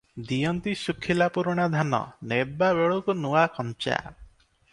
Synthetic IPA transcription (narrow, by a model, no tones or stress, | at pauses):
d̪ijɔnt̪isukʰːilapuɾɔɽ̃ad̪ʱanɔ̰nebabeɭukunuwakʰɔnt͡ʃa̰